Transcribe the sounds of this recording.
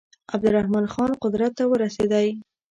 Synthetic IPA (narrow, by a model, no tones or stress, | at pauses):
ab̚d̪ʊɾahmɑnxɑnqʊd̪ɾat̪ːawəɾased̪aj